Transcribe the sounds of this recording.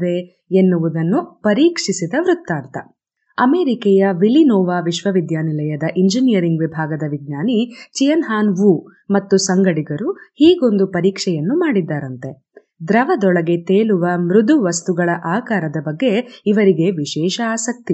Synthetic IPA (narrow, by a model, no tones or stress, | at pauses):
ʋe | enːuʋud̪ɐnːupɐɾiːkʂisid̪ɐʋɾut̪ːaːnt̪ɐ | ɐmeːɾikɛːjɐʋilinɔːʋaːʋiʃʋɐʋid̪jaːnilɐjɐd̪ɐʔiɲd͡ʒinijɐɾiŋɡʋibʱaːɡɐd̪ɐʋiɡ̚ɲaːnit͡ʃijɐnɦaːnʋu | mɐt̪ːusɐŋɡɐɽiɡɐɾuhiːɡo̞nd̪upɐɾiːkʂɛjɐnːumaːɽid̪ːaːɾɐnt̪e̞ | d̪ɾɐʋɐd̪ɔɭɐɡe̞t̪eːɭuʋɐmɾud̪uʋɐst̪uɡɐɭɐʔaːkaːɾɐd̪ɐbɐɡːe̞iʋɐɾiɡe̞ʋiʃɛːʃɐaːsɐk̚t̪i